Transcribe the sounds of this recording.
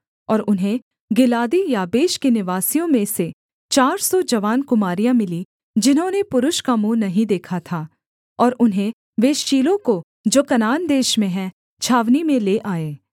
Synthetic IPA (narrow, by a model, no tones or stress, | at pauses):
ɔːɾʊnɦẽ | ɡɪlaːd̪ijaːbeːʃkenɪʋaːsijõmẽse | t͡ʃaːɾsɔd͡ʒɐʋaːnkʊmaːɾijãmɪli | d͡ʒɪnɦõnepʊɾʊʃkamũːnɐɦĩd̪eːkʰat̪ʰaː | ɔːɾʊnɦẽ | ʋeːʃt͡ʃiːlõko | d͡ʒoːkɐnaːnd̪eːʃmẽɦɛ̃ | t͡ʃʰaːʋnimẽleːʔaːeː